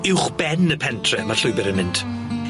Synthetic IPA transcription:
ɪwχb̥ɛnəpʰɛntʰrɛmarɬʊɨbɛɾənmɪnd̥

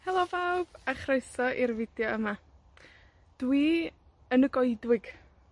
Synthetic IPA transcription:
hɛlˠɔvawb̥aχreɨsɔʔirvɪdjɔəma | d̥wi | ənəɡɔɨdwɪɡ̥

